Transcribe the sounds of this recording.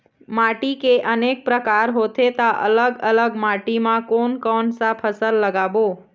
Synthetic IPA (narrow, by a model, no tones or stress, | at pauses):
maʈikeʔənek̚pɾəkaɾɦot̪ʰet̪aʔə̰ləɡələɡmaʈimãkonkɔnsapʰəsəlːəɡaʋo